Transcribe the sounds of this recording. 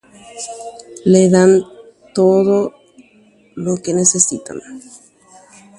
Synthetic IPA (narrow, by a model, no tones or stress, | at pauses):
leðan | t̪oðo | lokenesesit̪a̰n